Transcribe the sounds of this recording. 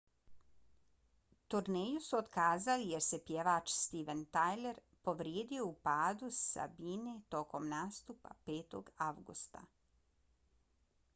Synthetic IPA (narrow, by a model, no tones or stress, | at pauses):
t̪uɾnejusuod̪kaːzalijeɾse̞pjeʋaːt͡ʃst̪iʋent̪ajle̞ɾ | po̞ʋɾjeːd̪ijo̞upaːd̪usa̰biːne̞t̪o̞ko̞mnaːst̪upa̰peːt̪o̰ɡaʋɡṵst̪a̰